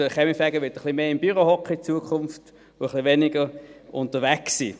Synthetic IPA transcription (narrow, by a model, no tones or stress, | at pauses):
əχɛmifɛɡəʋʏtəχlimeːɪmb̥yʁohɔkχəit͡suəkʰʊnft | ʊəχliʋɛnɪɡəʁʔʊntəʁʋæksḭː